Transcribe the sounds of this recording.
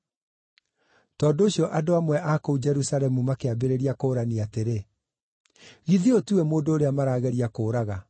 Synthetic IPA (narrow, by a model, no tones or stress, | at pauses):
tɔːndooɕijɔʔadoamwɛʔakoud͡ʒɛɾusaɾɛmumakeabeɾeɾiakoːɾaniateɾe | ɣiðiotuwɛmoːndoːɾeamaɾaːɣɛɾiakoːɾaɣa